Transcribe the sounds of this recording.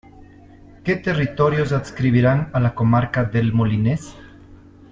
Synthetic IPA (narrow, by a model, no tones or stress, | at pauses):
ket̪erit̪oɾjozat̪skɾiβiɾanalakomaɾkaðelmolines